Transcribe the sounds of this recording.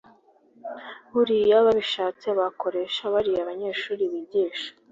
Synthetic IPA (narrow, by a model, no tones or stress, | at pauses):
βuɾijaβaβiʃaːt͡seβako̞ɾe̞ʃaβaɾiaβaɲe̞ːʃuːɾiβiɟiːʃḁ